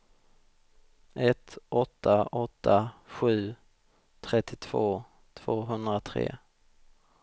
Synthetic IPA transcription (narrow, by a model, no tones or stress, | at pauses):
ʔɛt̪ɔt̪ʰːaɔt̪ʰːaɧʉ̟ː | t̪ʰɾɛt̪ʰːɪt̪ʰv̥oː | t̪ʰv̥oːɦɵnd̪ɾat̪ʰɾḛː